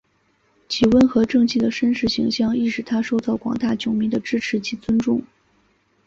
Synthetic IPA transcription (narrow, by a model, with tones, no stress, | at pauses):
t͡ɕʰi˨˩wə˥nxɤ˧˥ʈ͡ʂɤ˥˧ŋt͡ɕi˥˩d̪ə˩ʂə˥nʂɻ̩˧˥ɕḭ˧˥ŋɕjɑ˥˧ŋi˥˩ʂɻ̩˧˩t̪ʰa˥ʂo˥˧ʊt͡s̪ɑ˥˩ʊkwɑ̰˨˩ŋt̪a˥˩t͡ɕjʊ˨˩ŋmi˧˥ŋd̪ə˧ʈ͡ʂɻ̩˥ʈ͡ʂʰɻ̩˧˥t͡ɕʰi˧˥t͡swə˥nʈ͡ʂʊ˥˩ŋ